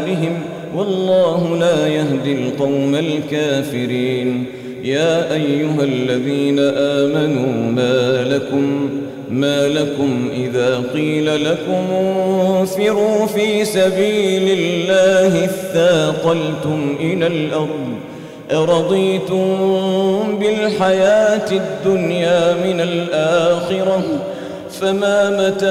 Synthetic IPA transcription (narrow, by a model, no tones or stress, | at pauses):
lɪɦɪm | wɑlˤːɑːhʊlaːjaɦd̪ɪlqɑwmalkaːfɪɾiːn | jaːʔajːʊɦalːaðiːnaʔaːmanuːmaːlakʊmː | aːlakʊmʔɪðaːqiːlalakʊmʊfɪɾuːfiːsabiːlɪllːaːhɪθːaːqɑlt̪ʊmʔɪlalʔɑɾˤd̪ | ʔɑɾˤɑd̪ˤiːt̪ʊm | bɪlħajaːt̪ɪd̪ːʊnjaːmɪnalʔaːxɪɾa | famaːmat̪a